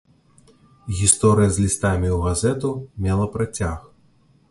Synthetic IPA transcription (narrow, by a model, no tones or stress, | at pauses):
ɣʲist̪ɔɾɨjɐzʲlʲist̪amʲiwɣazɛt̪umʲɛlˠɐpɾat͡sʲax